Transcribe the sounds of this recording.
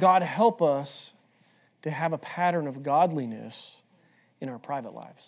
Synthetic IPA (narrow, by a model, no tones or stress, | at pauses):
ɡ̥ɑd̚hɛlˠpʌs | tʰɨːvəpʰæɾə̃˞nʌvɡɑdˡlinɨ̰s | ɨ̃ɾaʊə˞pʰɹ̥aɪvə̰tˡla̰ɪvz̥